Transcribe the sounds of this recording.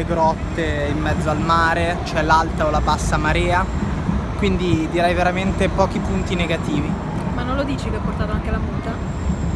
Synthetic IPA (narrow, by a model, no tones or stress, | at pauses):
leɡɾɔt̪ːeimːɛd̪zːoalmaːɾet͡ʃoɛlalt̪aolapasːamaɾɛːa | kwind̪id̪iɾɛjveɾament̪epɔːk̟ipunt̪ineɡat̪iːvi | manːonlod̪iːt͡ʃikeɔpːort̪aːt̪oaŋkelamuːt̪a